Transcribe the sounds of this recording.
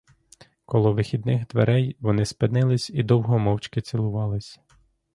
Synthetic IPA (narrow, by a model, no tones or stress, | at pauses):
kɔlˠɔʋɪxʲid̪nɪxd̪ʋḛɾɛjʋɔnɪspɪnɪlˠɪsʲid̪ɔwɦɔmɔwt͡ʃkɪt͡ssʲilˠʊʋɑlˠɪsʲ